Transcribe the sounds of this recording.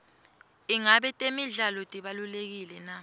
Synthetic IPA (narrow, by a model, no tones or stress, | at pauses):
iŋaɓɛtʼemiɮalɔtʼiɓalulek̬ilɛna